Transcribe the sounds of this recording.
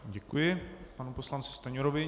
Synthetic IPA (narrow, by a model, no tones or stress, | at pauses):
ɟɛkujɪpanuposlant͡sɪ̥st̪aɲoɾovɪ